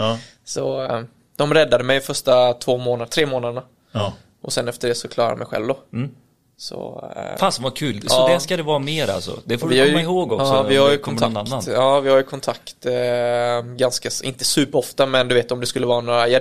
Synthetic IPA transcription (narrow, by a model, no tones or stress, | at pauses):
sɔ | d̪̥ɔmɾɛd̪ːad̪əmɛjfœʂʈat̪ʰvoːmoːnad̪t̪ʰɾeːmoːnad̪əɳa | ʔɔsɛnːɛft̪əɖɛːsɔkʰlɑːɾaɾa̰mɛ̰jɧɛ̰lvd̪ɔ | sɔ̰faːsmvakʰʉ̟ːlsɔːd̪ɛskad̪ɛvɑːmeːɾa̰lsɔ̰d̪ɛffoːɾvɪhajjɪhoːɡɔksɔvɪhaɾjəkʰɔnʰak̪ːaɑːvɪhaɾjɵkʰɔnt̪ʰakt̪ | ɡanskaɪnt̪əsʉ̟ːpəɾɔft̪amɛnd̪ɵʉveːt̪ɔmd̪ɛskɵlːəvɑːnoːɾajɑ